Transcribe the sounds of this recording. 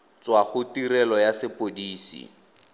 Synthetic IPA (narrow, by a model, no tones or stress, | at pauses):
t͡swaχʊtiɾɛlɔjasɪpodiːsḭ